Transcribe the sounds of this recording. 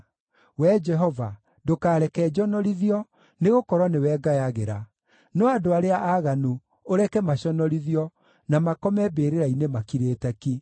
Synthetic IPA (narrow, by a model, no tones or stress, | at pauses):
wɛd͡ʒɛɦɔva | dokaːɾɛkɛd͡ʒɔnɔɾiðiɔ | neɣokɔɾwɔnewɛɡajaɣeɾa | nɔadoaɾeaʔaɣanu | oɾɛkɛmaɕɔnɔɾiðiɔ | namakɔmɛbeːɾeɾainemakiɾeːtɛki